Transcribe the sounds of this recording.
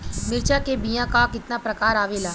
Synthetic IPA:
mɪɾt͡ʃakebijãkakɪt̪napɾɐkaːɾaːʋelaː

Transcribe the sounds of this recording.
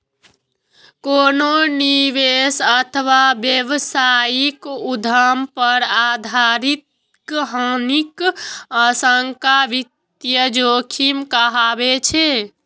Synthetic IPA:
kononiʋesət̪ʰəʋabjeʋsajikud̪ʱəmpəɾad̪ʱaɾit̪̚ | kɦanikəsəŋkaʋit̪jəd͡ʒokʰimkəɦabet͡ʃʰe

